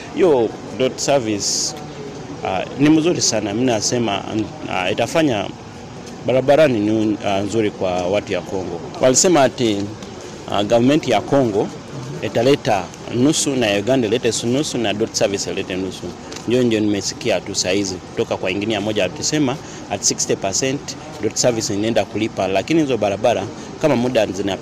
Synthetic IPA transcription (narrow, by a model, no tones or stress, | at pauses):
hijɔ | dɔtsavis | a̰nim̩zuɾisanaminasɛma̰itafaɲa̰ | ɓaɾaɓaɾanininzuɾikwawatujakɔŋɡɔwʔa̰lisɛmati | a̰ɡavamɛntijakɔŋɡɔ | italɛta | nusunajuɡandailɛtɛsunusunadɔtsavisiɛlɛtɛnusu | ɲdiɔndiɔnimɛsi̥kiatusahiziku̥tɔkakwaiŋɡinijamɔʄaatisɛma | ati̥sikstɛpasɛnt | dɔtsavisiinɛndakulipalakinihizɔɓaɾabaɾa | kamamuɗanzina